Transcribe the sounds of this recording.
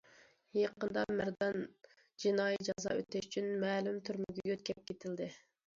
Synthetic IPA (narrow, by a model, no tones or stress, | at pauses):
jeqənd̪ɑmæɾd̪ɑn | d͡ʒinɑːjid͡ʒɑzɑ̰øt̪ɛʃy̥t͡ʃʰynmɛːlymt̪ʰyɾmɪɡʲɛɡøt̪̚kʲʰɛp̚kʲʰet̪ʰɪld̪ɪ